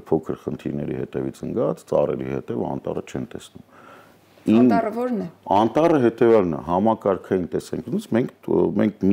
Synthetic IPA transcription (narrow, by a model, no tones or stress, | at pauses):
pʰɔkʰəɾχənt̪ʰiɾnɛɾḭhɛ̰t̪ɛvit͡sʰəŋɡɑt͡st͡sɑ̰rɛ̰ɾḭhɛ̰t̪ɛvɑ̰nt̪ɑ̰rət͡ʃʰɛnt̪ɛsnum | inɔɾnɛɑnt̪ɑrəɦɛt̪ɛvjɑlnɑ̰ɦɑmɑkɑɾkʰɑjint̪ɛsɛŋkʰnut͡smɛŋkʰmɛŋkʰmi